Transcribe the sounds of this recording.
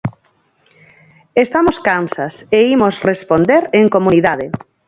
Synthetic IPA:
est̪amoskansaseimosrespond̪eɾeŋkomuniðaðe

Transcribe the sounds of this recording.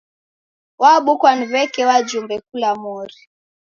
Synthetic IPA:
waɓukwaniβɛkɛwad͡ʒumbɛk̚ulamɔɾi

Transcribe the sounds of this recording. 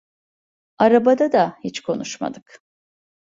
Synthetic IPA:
aɾabad̪ad̪ahit͡ʃkʰo̞nuʃma̰d̪ɯk

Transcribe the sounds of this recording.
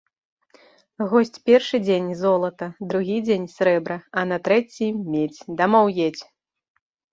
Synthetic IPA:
ɣɔsʲt͡sʲpʲɛrʂɨd͡zʲenʲzɔlˠɐt̪ɐd̪ɾuɣʲid͡zʲenʲsʲɾɛbɾɐɐnɐt̪ɾɛt͡sʲimʲet͡sʲd̪ɐmɔwjet͡sʲ

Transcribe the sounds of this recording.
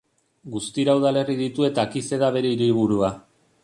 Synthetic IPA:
ɡust̪iɾauðale̞riðit̪ue̞t̪akise̞ðaβe̞ɾe̞iɾiβuɾua

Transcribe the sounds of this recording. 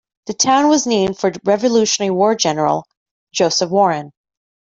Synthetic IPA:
ðɨtʰãʊ̃nwʌznẽɪ̃md̥fə˞ɹɛvɨlʉʃɨnɛɹiwɔɹd͡ʒɛnə˞l̩̥ˠ | d͡ʒoʊsɨfwɔɹɨ̃n

